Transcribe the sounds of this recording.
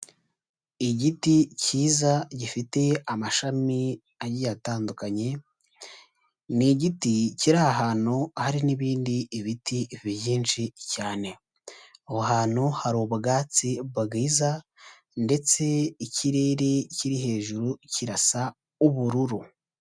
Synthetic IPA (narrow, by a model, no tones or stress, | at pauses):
iɟiticiːzaɟifite̞amaʃami | ajɟijataːndukaɲe̞ | niɟiticiɾahaɦaːnuahaɾiniβiːndiːβitivβijiːnʃicaːne̞ | ohoɦaːn̥huhaɾuβaɡaːt͡siβaɡiːza | nde̞t͡se̞icʰiɾeɾeciɾiɦe̞ːʒuɾuciɾasa | uβuɾuɾu